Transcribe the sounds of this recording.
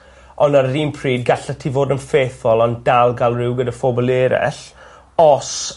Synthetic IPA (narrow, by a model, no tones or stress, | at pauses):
ɔnaɾɾiːnpʰriːd̚ɡaɬətʰivoːdənfeːθɔlˠɔndalˠɡalˠrɪwɡədafoːbɔlˠeːɾɛ̰ɬ | ɔs